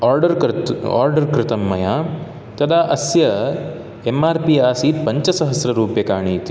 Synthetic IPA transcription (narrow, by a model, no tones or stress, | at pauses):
aːɾɖɐɾa̰ːɾɖɐɾkɾɪt̪ɐmːɐjaː | t̪ɐd̪aːʔɐsjɐ | emaːɾpiaːsiːt̪pɐɲt͡ʃɐsɐɦɐsɾɐɾuːpjɐkaːɳiːt̪i